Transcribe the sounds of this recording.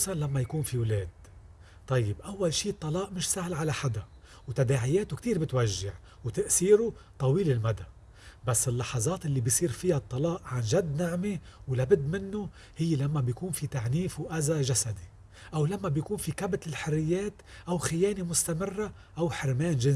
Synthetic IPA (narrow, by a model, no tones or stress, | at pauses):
sɑnlamːajakuːnfiwleːd̪̚ | t̪ˤːɑjːɪbʔawːalʃiːt̪ˤːɑlɑːʔmɪʃsahlʕalaħad̪a | wt̪ad̪aːʕɪjeːt̪ʊkt̪iːɾbɪt̪waʒːaʕ | wt̪aʔsiːɾʊt̪ˤɑwiːlɪlmad̪a | basːɪlːɑħɑzˤɑːt̪ʔɪlːibisˤiːɾfɪjat̪ˤːɑlɑːʔʕanʒad̪ːnaʕmiwlabɪd̪ːmɪnːʊ | hɪjːelamːabjakuːnfit̪aʕniːfwʔazaʒasad̪i | ʔawlamːabjakuːnfikabt̪ɪlħɪrːɪjːeːt̪ʔawxɪjeːnemʊst̪amɪrːa | ʔawħɪɾmeːnʒɪn